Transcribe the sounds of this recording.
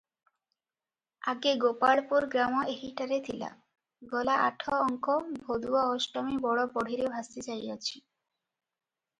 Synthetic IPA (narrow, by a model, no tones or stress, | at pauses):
a̰ɡeɡopaɭpuɾɡɾamɔeɦiʈaɾet̪ʰila̰ | ɡɔlaʔaʈʰɔɔɔŋkɔbʱod̪uaɔʃʈɔmibɔɽɔpɔɽʱiɾebʱast̪et͡ɕajat͡ɕʰi